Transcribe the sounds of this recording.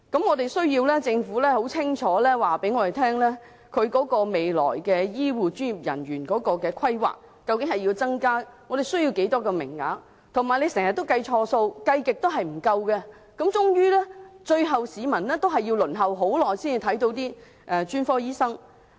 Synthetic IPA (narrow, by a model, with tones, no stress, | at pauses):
kɐ˨˥mŋɔː˨˧t̪e˨jsɵ˥ɥjiː˧wlɛː˥t͡sɪ˧ŋfuː˨˥lɛː˥ho˨˥wt͡sʰɪ˥ŋt͡ʃʰɔː˨˧˥lɛː˥waː˨pe˨˥jŋɔː˨˧e˨jt̪ʰɛː˥ŋlɛː˥ | kʰɵ˨˧ɥkɔː˨˥kɔː˧me˨jlɔ̰ː˨˩jkɛː˧jiː˥wuː˨t͡ʃyː˥nji˨˩p̚jɐ̰˨˩nɥyː˨˩nkɔː˨˥kɔː˧kɛː˧kʰɐ˥jwa̰ː˨˩k̚ | kɐ˧wkɪ˨˥ŋhɐ˨ji˧wt͡sɐ˥ŋkaː˥ŋɔː˨˧ɾe˨jsɵ˥ɥjiː˧wke˨˥jt̪ɔː˥kɛː˧mɪ̰˨˩ŋːa̰ː˨˥ŋ | t̪ʰʊ˨˩ŋmaː˨jne˨˧jsɛ˨˩ŋhɐ˨t̪ːo˥wkɐ˧jt͡ʃʰɔː˧so˧wkɐ˧jkɪ˨k̚t̪o˥wɦɐ˨jm̩˨˩kɐ˧wkɛ˧ | kɐ˨˥mt͡ʃʊ˥ŋjyː˥lɛː˥t͡ʃɵ˧ɥɦɐ˨wsiː˨˧mɐ˨˩nlɛː˥t̪o˥wɦɐ˨jːiː˧wlɵ˨˩nɦɐ˨wɦo˨˥wlɔː˨˩jsiː˥ni˧t̪ʰɐ˨˥jt̪o˨˧wt̪iː˥ | ʔɛː˨t͡ʃyː˥nfɔː˥jiː˥sɐ˥ŋ